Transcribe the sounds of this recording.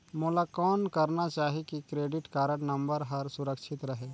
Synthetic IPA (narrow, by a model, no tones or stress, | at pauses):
moːlakɔːnkɐɾnat͡ʃaːɦekikɾeːɖɪʈkaːɾəɳnɐ̃mbəɾɦɐɾsʊɾəkʃʰɪt̪ɾɐɦeː